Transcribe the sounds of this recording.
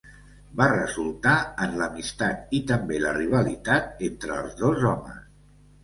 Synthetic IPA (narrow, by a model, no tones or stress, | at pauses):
barəzulˠt̪aənləmist̪at̪̚it̪əmbeləriβ̞əlit̪at̪ent̪ɾəːlˠzðozɔmə̰s